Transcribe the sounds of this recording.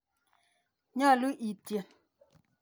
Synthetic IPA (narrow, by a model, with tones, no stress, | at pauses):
ɲa˦˨lu˦ʔi˨te˨